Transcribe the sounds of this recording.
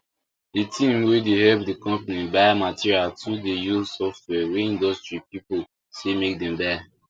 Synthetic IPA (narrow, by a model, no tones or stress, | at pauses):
ditʰĩmwedehɛp̚dikɔ̃mpanibajmatʰiɹialtʰudejusɔft̚wɛweĩndɔstɹipipol | semek̚dɛ̃mbɛ